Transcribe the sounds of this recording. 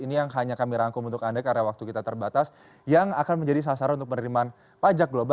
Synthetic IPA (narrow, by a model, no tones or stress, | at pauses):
inijaŋɦaɲakamiɾaŋkʊŋunt̪ʊkadakaɾawak̚t̪ukit̪at̪ərbat̪as | jaŋakanməɲd͡ʒadis̬as̬aɾanunt̪ʊk̚pənəɾiman | pad͡ʒak̚ɡloba